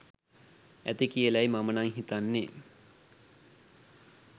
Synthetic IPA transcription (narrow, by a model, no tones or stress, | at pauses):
æt̪ikijəlæjmamənaŋɦit̪anːe